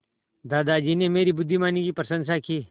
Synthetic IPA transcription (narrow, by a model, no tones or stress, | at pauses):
d̪aːd̪aːd͡ʒiːneːmeːɾiːbʊd̪ʱːimaːniːkiːpɾəsə̃nsaːkiː